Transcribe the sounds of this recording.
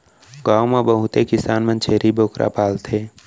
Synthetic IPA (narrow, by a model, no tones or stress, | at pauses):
ɡaːwmebəɦʊt̪ekɪsaːnmə̃nt͡ʃʰeːɾiboːkɾʔa̰paːlt̪ʰeː